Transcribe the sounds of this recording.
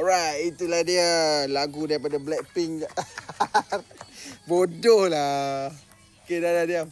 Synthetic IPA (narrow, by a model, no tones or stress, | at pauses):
ɹajtit̪ulahdiəlaɡudaɾip̬adablɛk̚piŋa | bodɔhla | okedaladia